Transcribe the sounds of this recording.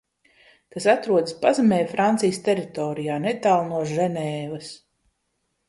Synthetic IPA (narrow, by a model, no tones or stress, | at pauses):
kasat̪ɾuɔd̪spazamʲɛːjfɾant̪sijst̪ʲɛɾit̪ɔːɾijaːnɛt̪aːlˠnuɔʒɛnɛːvɐs